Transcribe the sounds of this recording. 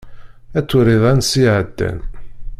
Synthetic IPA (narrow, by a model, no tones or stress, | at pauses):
æt͡sːʊɾiðˤænsiʕəd̪ːæ̰n